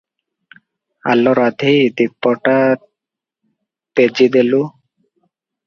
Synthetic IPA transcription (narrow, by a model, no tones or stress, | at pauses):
a̰lːɔɾad̪ʱijd̪ik̚pːɔʈa | p̪ed͡ʑid̪elu